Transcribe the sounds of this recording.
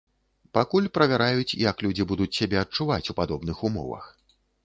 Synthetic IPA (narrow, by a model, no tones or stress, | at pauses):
pakulʲpɾɐvʲaɾajut͡sʲḭjɐklʲud͡zʲibud̪ut͡sʲsʲabʲɛɐt̚t͡ʂuvat͡sʲupad̪ɔbnɨxumɔ̰vɐ̰x